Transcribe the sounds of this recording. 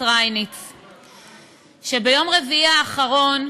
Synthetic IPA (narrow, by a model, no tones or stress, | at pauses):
ʁajnit͡s | ʃe̞bejo̞mʁeviaːχaʁo̞n